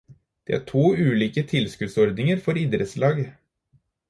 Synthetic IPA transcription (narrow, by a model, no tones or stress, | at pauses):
d̪̥ḛːæ̰ːʈʰuːʉːliːkət̪ʰɪlskʉd̪sɔɾd̪nɪŋəɾfɔɾɪd̪ɾət̪slɑːɡ